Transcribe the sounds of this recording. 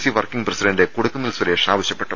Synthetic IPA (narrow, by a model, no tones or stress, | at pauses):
siʋɐrkiŋɡprɐsiɖɐɳɖekuɽukːɐmilswɐɾeːʂaːʋɐɕjɐpːeʈːɐ